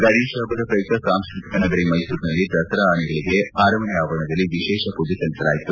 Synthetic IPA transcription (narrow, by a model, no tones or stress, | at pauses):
ɡɐɽiːʃaːbɐd̪ɐpɾɐjuk̚t̪ɐsaːmskɾit̪ʰik̪ɐnɐɡɐɾimɐjsuːɾnɐlːit̪ɾɐsɾɐaːniɡɐɭiɡe̞aːɾɐmɐnjaːʋɐɾɐɳɐd̪ɐlːiʋiʃɛːʃɐpud̪ʱisɐlisɐla̰ːjit̪u